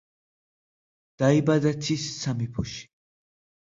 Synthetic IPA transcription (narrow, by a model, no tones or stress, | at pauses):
d̪̥aibad̪at̪ʰissamipʰuʃi̥